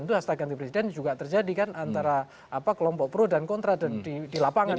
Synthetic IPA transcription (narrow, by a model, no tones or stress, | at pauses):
nt̪uɦast̪aɡant̪ipɾesidɛnd͡ʒuɡat̪ərd͡ʒadikanʔant̪aɾa | apakəlɔmpɔʔ̚pəɾodankɔnt̪ɾadandidilapaŋa